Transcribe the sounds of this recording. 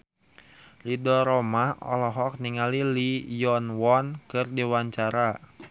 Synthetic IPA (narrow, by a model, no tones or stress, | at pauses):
lidɔɾomahɔ̰lɔɦɔk̚niŋalilijɔnwɔnkɨrdiwaɲt͡ʃaɾa